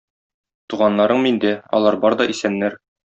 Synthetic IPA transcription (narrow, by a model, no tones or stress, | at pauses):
t̪uʁɑnlːɑɾɤɴmind̪ɘɒ̰lˠɑɾbɒɾd̪ɒʔisænːæɾ